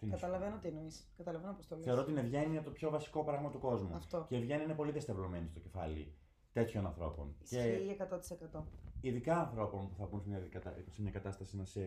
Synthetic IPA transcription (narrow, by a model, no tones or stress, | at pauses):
t̪inkɐt̪ɐlɐvenot̪inoiskɐt̪ɐlɐvenopost̪olθe̞ɾot̪inevʝeniɐt̪opço̞vɐsi̥ko̞pɾɐɣmɐt̪uko̞zmuɐft̪oceːvʝeniinepo̞liðest̪evlome̞nist̪oce̞fɐ̰lḭ | t̪e̞t̪ço̞nɐnθɾo̞po̞̰nceiiekɐt̪ot̪i̥sekɐt̪oiðikɐːnθɾo̞po̞npuθɐbunsmɲɐkɐt̪ɐsemɲɐkɐt̪ɐst̪ɐsinɐse